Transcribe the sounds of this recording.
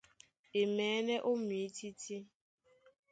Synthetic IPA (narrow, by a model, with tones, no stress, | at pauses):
e˨mɛː˨˦nɛ˦ʔo˦mi˨˦ti˦tʰi˦